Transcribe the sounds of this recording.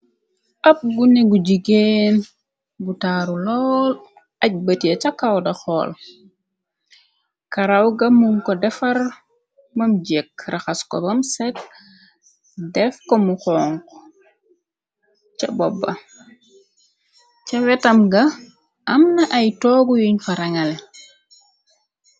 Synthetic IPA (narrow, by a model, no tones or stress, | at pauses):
ʔɐp̚ɡuneɡuɟiɡen | ɡutaɾulɔːl | ɐc̚bɐtiɐt͡ʃakawdɐxɔːl | kaɾawɡɐmuŋkɔdɛfɐr | mɐmɟɛkrʔaxaskɔ̰bɐmsɛt | dɛfkɔmuxɔːŋkɔ | t͡ʃɐbɔbːɐ | t͡ʃɐwɛtɐmɡɐ | ɐmnɐʔɐjtɔɡujuɲfɐɾɐŋɐlɛ